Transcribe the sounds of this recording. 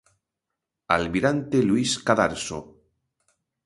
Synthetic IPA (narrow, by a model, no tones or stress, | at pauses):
a̰lmiɾant̪eluiskaðaɾso